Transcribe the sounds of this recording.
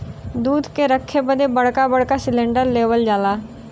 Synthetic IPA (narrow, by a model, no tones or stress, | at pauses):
d̪uːd̪keɾəkʰːebəd̪ebəɽ̤kabəɽkasɪlẽːɳɖəɾleːʋəld͡ʒaːlaː